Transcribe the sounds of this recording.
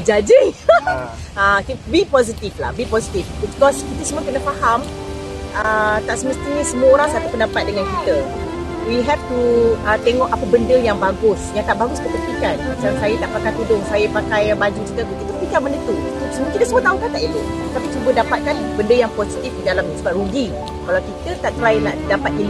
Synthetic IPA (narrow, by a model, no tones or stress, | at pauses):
d͡ʒad͡ʒi | əkibipɔs̬it̪ifla̰hbipɔsit̪ifbibikɔskit̪əsəmũəkənəfaham | ət̪aʔsəməst̪iɲəsəmuəoɾaŋsat̪upəndapat̪̚dəŋankit̪ə | wiɦɛft̪uət̪eŋɔʔapəbəndəjaŋbaɡʊsjaŋt̪aʔbaɡʊskəpənp̪ikanmat͡ʃalsajət̪aʔpakajt̪udʊŋsajəpakajbad͡ʒukit̪əkik̪it̪əpikabəndət̪uit̪usəmũkit̪əsəmuət̪auŋkant̪aʔit̪ut̪apit͡ʃubədapat̪̚kanbəndəjaŋposit̪ifdidalamsubaʔɾuɡi | kalawkit̪ət̪aʔt̪ɾailahdapat̪̚in